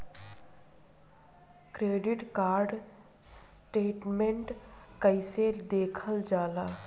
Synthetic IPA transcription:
kɾeːɖiʈkaːɾɖ | sʈeːʈmẽɳʈkəised̪eːkʰəld͡ʒaːlaː

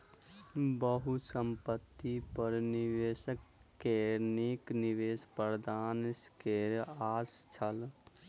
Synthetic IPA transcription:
bəɦusəmpət̪ːipəɾniʋeːʃəkːenekniʋeːspəɾd̪aːnskeɾaːst͡ʃʰəl

